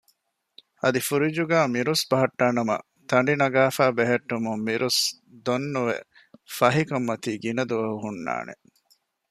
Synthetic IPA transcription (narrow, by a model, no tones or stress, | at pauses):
ɐd̪ifuɾid͡ʒuɡæːmiɾusbɐɦɐʈːaːnɐmɐ̰ | t̪ʰɐɳ̆ɖinɐɡaːfæːbeɦeʈːumumːiɾʔus | d̪onːuʋḛ | fɐɦikɐmːɐt̪iːɡinɐd̪uʋɐɦuɦunːa̰ːnḛ